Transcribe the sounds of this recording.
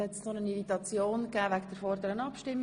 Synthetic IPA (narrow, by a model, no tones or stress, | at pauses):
hɛt̪snonəniɾitɑt͡sjoːnkæːvæɡd̥əɾfɔɾd̪əɾənɑpʃtɪmː